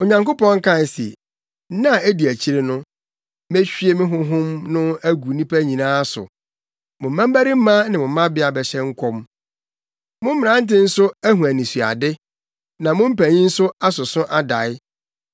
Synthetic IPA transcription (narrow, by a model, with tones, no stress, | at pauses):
o˨ɲã˨ŋko˦pɔ̃˦ŋ̩˦kʰã˦n˨sḛ˨˦ | nã˦˨e˦di˨æ˨t͡ɕʰi˦ɾe˨nʊ̃˦ | me˦ɕᶣi˦e˦mɪ̃˦ɦʊ̃˦ɦʊ̃˦mnʊ̃˦æ˦ɡu˨˦nĩ˦pʰæ˦ɲĩ˨nãː˦sʊ̰˨ | mʊ̃˨m̩˦mã˦m˦bæ˦ɾi˦m̩˦mã˦nɪ̃˨mʊ̃˨˦mã˦bɪ˦a˨bɛ˨ɕɛ˦ŋ̩˦kʰɔ˦m | mʊ̃˦m̩ː˦ɪ̃˨ã˨˦n̩˦tɪ̃˦n̩˦sʊ˦æ˦ɦũ˨æ˨nĩ˨su˨a̰˨dɪ˦ | nã˨mʊ̃˦m̩˦pæ˨ɲĩ˦n̩˦sʊ˦a˦sʊ˨sʊ̃˦ʔa˦da˨ɪ˦